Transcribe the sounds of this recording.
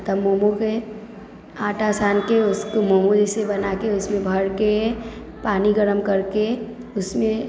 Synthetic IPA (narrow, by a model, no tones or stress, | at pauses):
t̪əmoːmoke | aːʈasaːnkeʊskomomud͡ʒisebənakeʊsmẽbʱəɽɡe | paːniɡəɾəmkəɾke | ʊsmẽ